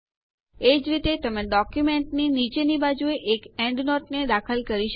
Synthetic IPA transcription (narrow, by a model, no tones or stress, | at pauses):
ed͡ʒɾit̪et̪əmẽɖɔkjumeɳʈninit͡ʃenibad͡ʒueʔekɛɳɖnɔʈned̪akʰəlkəɾiʃə